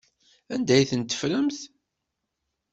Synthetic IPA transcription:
ænd̪æjθənt̪ːə̥fɾæmθ

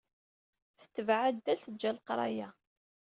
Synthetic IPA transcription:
θə̥t͡sːəvʕad̪ːæɬəd͡ʒːælqɾˤɑ̰jæ

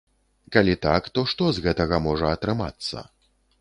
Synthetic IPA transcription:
kalʲit̪akt̪ɔʂt̪ɔzɣɛt̪ɐɣɐmɔʐɐɐt̪ɾɨma̰t̪sːɐ̰

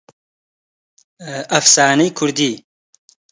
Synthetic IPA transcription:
ɐfsaːnɐjkʰʊɾd̪iː

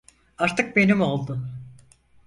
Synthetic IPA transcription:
aɾt̪ʰɯk̚be̞nimo̞lˠd̪ʊ

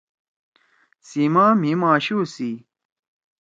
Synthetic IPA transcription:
simaːmimãːɕuːsi

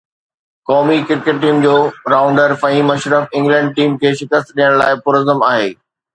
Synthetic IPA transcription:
kɔːmikɪɾkeʈ̚ʈiːmd͡ʑoːɾaːʊ̃ɳɖəɾfɐɦĩːmɐʃɾəfɪ̃ŋɡlɛ̃ɳɖ̚ʈiːmkʰeːʃɪkəst̪ɗijəɽ̃laːɪpʊɾəzəmaːɦḛː

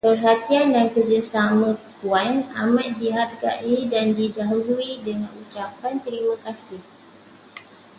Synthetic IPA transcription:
pərɦat̪iandankərd͡ʒasamə̃puana̰mãt̪̚diɦarɡa̰ʔidandidaɦuluidəŋãnut͡ʃapant̪əɾimãkasɪh

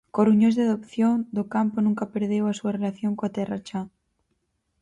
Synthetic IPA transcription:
koruɲozðeaðopθjoŋd̪okamponũŋkɐpeɾðewasuɐrelaθjoŋkoat̪ɛra̰t͡ʃa

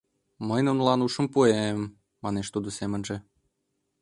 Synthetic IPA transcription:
məjnunlɑnuʃə̆mpuemː | ɑneʃt̪ud̪osemə̆nʒĕ

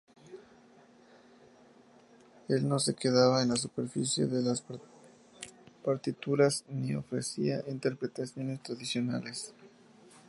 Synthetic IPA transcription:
e̞lno̞se̞ke̞ðaβaenlas̬upe̞ɾfisje̞̰ðe̞las | paɾt̪it̪uɾasnio̞̰fɾe̞̰siaʔint̪e̞ɾpɾe̞t̪asjo̞nest̪ɾaðisjo̞na̰le̞s

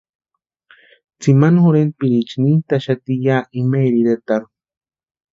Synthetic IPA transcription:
t͡simanxoɾenpiɾit͡ʃnint̪aʃat̪ijaːʔimeɾiɾet̪aɾu̥

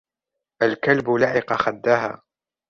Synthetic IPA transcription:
ʔalkalbʊlaʕɪqɑxad̪ːaːha̰ː

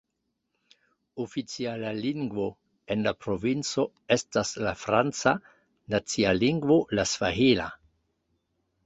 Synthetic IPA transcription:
ofit͡sialaliŋɡvo̞ | e̞nlapɾo̞vint͡so̞ | e̞staslafɾant͡sa | nat͡sialiŋɡvo̞lasvaɦila̰

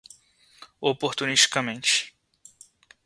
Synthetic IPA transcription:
opoɾt̪uniʃt͡ʃi̥kɐmẽnt͡ʃɪ̥

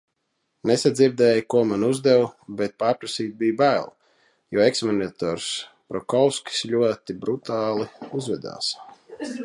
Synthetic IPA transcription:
nesad̪zʲiɾd̪ɛːjkuɔmanuzd̪ɛwbet̪̚paːɾpɾasiːt̪̚bijbæːlˠ | jɔeksmɔnʲat̪ɔːɾs | pɾɔkɔwskʲi̥slʲuɔt̪ibɾut̪aːlˠiuzvɛd̪a̰ːs

